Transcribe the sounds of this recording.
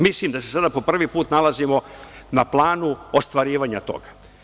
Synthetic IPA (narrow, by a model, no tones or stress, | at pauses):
mislimd̪asesad̪apo̞pr̩ʋipuːt̪nalazimo̞naplˠaːnuost̪ʋaɾiːʋaɲat̪o̞̰ɡa